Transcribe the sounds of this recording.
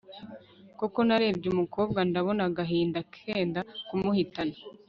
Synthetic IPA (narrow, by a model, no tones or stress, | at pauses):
koko̞naɾe̞ːbɟumuko̞ːb̚ɡandaβo̞naɡaɦiːndakʰe̞ːndakumuhitana